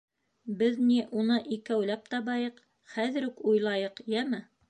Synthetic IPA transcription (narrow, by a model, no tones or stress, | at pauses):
bɘðniʔunɤʔikæwlæp̚t̪ɑβɑjɤq | χæðɘ̆ɾukujlˠɑjɤqjæmɘ